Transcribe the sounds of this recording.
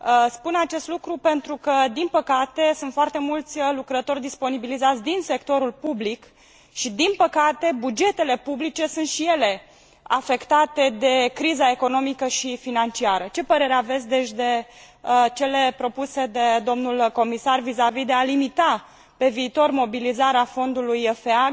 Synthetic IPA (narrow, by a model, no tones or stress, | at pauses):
spunat͡ʃe̞st̪lukɾupe̞nt̪ɾukəd̪inpəkat̪e̞sunt̪foart̪emult̪sʲlukɾət̪o̞rʲd̪ispo̞nibilizat̪sʲd̪inse̞kt̪o̞ɾulpublik | ʃid̪inpəkat̪e̞bud͡ʒe̞t̪e̞le̞publit͡ʃe̞sunt̪ʃije̞le̞ | afe̞kt̪at̪e̞d̪e̞kɾizae̞ko̞no̞mikəʃifinant͡ʃiaɾət͡ʃe̞pəɾe̞ɾeave̞t̪sʲd̪e̞ʃd̪e̞ | t͡ʃe̞le̞pɾo̞puse̞d̪ed̪o̞mnulko̞misarvizavid̪e̞alimit̪a | pe̞viːt̪o̞rmo̞bilizaɾeafo̞nd̪ulujfea